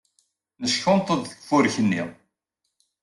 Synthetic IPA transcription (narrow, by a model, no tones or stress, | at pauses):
məsçʊnt̪ˤəðə̥kfʊɾçənːḭðˤ